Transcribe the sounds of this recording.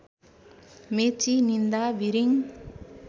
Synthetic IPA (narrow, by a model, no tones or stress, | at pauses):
met͡ʃinind̪aʋiɾiŋ